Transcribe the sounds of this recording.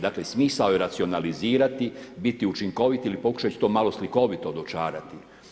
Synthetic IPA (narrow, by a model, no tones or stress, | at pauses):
d̪akle̞smiːsaojeɾat̪sio̞naliziːɾat̪ibit̪iut͡ʃiŋko̞ʋit̪ilipo̞ku̥ʃat͡ɕi̥t̪oːmalo̞sliko̞ʋit̪ood̪ot͡ʃaːɾat̪i